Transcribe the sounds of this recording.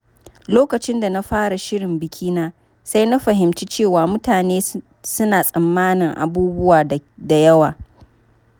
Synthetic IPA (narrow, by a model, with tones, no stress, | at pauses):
loː˦kɐ˨t͡ʃɪ˦nda˨na˦ɸaː˦ɽa˨ʃɪ˦ɽɪ˨mbɪ˨kʲʰiː˦naː˦ | sa˦jna˦ɸɐ˨ɦɪ˨mt͡ʃiː˦t͡ʃeː˦˨waː˨mʊ˦taː˨neː˦ | sʊ˦naː˨sʼɐ˨mːaː˦nɪ˨ŋʔa̰˨buː˦bʊ˦waː˨da˨jɐ˦waː˨